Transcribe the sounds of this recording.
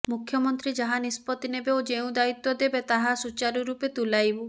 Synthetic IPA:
mukʰjɔmɔnt̪ɾid͡ʒaɦanispɔt̪inebeod͡ʒeũd̪ait̪ːɔd̪ebet̪aɦasut͡ʃaɾuɾupet̪ulajbu

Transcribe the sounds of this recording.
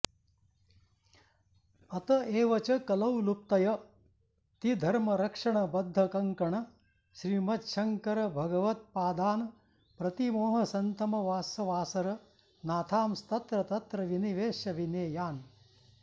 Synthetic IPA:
ɐt̪ɐeːʋɐt͡ʃɐkɐlɐwlup̚t̪ɐjɐ | t̪id̪ʱɐɾmɐɾɐkʂɐɳɐbɐd̪ʱːɐkɐŋkɐɳɐ | ʃɾiːmɐt̪ʃɐŋkɐɾɐbʱɐɡɐʋɐt̪̚paːd̪aːnɐ | pɾɐt̪imoːɦɐsɐnt̪ɐmɐʋaːsɐʋaːsɐɾɐ | naːt̪ʰaːmst̪ɐt̪ɾɐt̪ɐt̪ɾɐʋiniʋeːʃjɐʋineːjaːn

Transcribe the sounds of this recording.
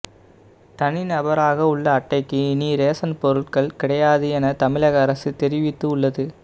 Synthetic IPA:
t̪ɐnɪnɐbɐɾaːɣɐʊɭːɐːʈːɐɪkːɯɪniɾeːsɐnpɔɾɯʈkɐɭkɪɽɐjaːðɯɛnɐt̪ɐmɪlɐɣɐːɾɐsɯt̪ɛɾɪʋɪt̪ːɯʊɭːɐðɯ

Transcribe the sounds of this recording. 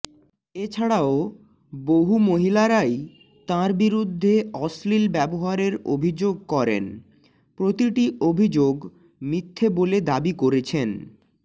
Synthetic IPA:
et͡ɕʰaɽao | boɦumoɦilaɾaj | t̪ãɾbiɾud̪ʱːeɔslilbɛboɦaɾeɾo̰bʱid͡ʑoɡ̚kɔɾḛn | pɾot̪iʈiʔobʱid͡ʑoɡ | mit̪ʰːeboled̪abikoɾet͡ɕʰen

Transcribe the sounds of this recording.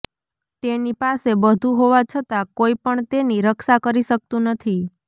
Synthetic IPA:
t̪enipasebəd̪ʱũɦoʋat͡ʃʰət̪akoipəɳt̪eniɾəkʃakəɾiʃək̚t̪ũnət̪ʰi

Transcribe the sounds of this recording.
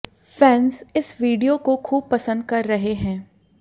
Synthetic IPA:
fɛːnsɪsʋiːɖijokokʰuːb̚pɐsə̃nd̪̚kɐɾːɐɦeɦɛ̃ː

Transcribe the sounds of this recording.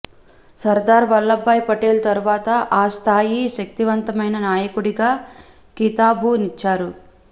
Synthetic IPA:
sɐɾd̪aːɾʋɐlːɐbːɐjpɐʈeːlt̪ɐɾuʋaːt̪ɐʔaːst̪ʰaːjiʃɐk̚t̪iʋɐnt̪ɐmɐjnɐnaːjɐkuɽiɡaː | kit̪aːbunit͡ʃːaːɾu

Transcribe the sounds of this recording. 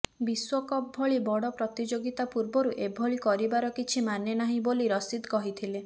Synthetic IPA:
biswɔkɔbʱɔɭibɔɽɔpɾɔt̪id͡ʒoɡit̪apuɾbɔɾuʔebʱɔɭikɔɾibaɾɔkit͡ʃʰimanenaɦĩboliɾɔsid̪kɔɦit̪ʰile

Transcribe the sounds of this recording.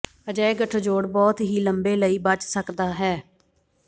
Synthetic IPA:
əd͡ʒəeɡəʈʰd͡ʒoːɽbɔːt̪ɦiːləmbeːləiːbət͡ʃsəkd̪aːɦɛː

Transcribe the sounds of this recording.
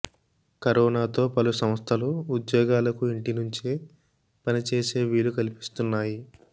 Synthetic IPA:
kɐɾɔːnaːt̪o̞ːpɐlusɐmst̪ʰɐluːd̪jɔːɡaːlɐkuiɳʈinuɲt͡ʃi | pɐnit͡ʃe̞ːse̞ːʋiːlukɐlipi̥st̪unːaːji

